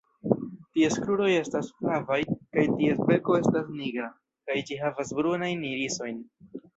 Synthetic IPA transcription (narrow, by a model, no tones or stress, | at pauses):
tieskɾuɾo̞je̞stashavajkajtiespe̞ko̞e̞stasniɡɾa | kajd͡ʒiɦavasbɾunajnːiɾiso̞jn